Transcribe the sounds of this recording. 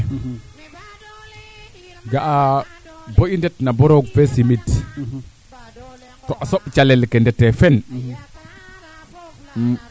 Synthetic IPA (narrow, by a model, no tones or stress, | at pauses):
ɡaʔa | boʔindɛtnabɔɾoɡfɛsimit | tɔʔasɔɓt͡ʃalɛlkɛndɛtːɛfɛn